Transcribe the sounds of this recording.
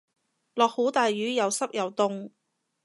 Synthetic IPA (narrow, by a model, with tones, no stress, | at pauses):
lɔː˨k̚ho˨˥wt̪aː˨jyː˨˥jɐ˨˧wsɐ˥p̚jɐ˨wt̪ʊ˧ŋ